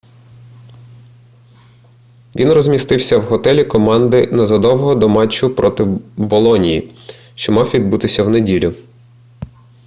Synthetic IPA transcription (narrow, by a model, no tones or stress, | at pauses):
ʋʲinrɔzʲmʲist̪ɪwsʲɐwɦɔt̪ɛlʲikɔmɑnd̪ɪnɐzɐd̪ɔwɔɦɔd̪ɔmɑt͡ʃʊpɾɔt̪ɪbɔlˠɔnʲijḭ | ʃt͡ʃɔmɑwʋʲid̪̚but̪ɪsʲɐwnedʲilʲʊ